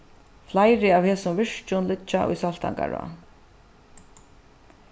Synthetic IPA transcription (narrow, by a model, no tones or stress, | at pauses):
flajɾɪaːwhɛːsʊmvɪʂt͡ʃʊnlɪt͡ʃːaʔʊ̰jsal̥t̪ʰa̰ŋka̰ɹa̰